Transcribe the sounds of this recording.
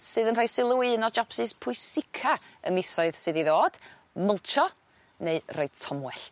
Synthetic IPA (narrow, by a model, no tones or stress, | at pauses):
sɨːðənraːjsɪlˠuiɨnɔd͡ʒapsɨspʰʊɨsɪkʰaə̰mɪsɔɨðsɨðiðoːd̥ | məlˠt͡ʃʰɔ | neɨroɨ̥tʰɔmwɛɬ